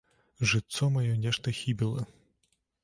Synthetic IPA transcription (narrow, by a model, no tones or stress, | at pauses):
ʒɪt̪sɔmɐjɔnʲɛʃt̪ɐxʲibʲilˠɪ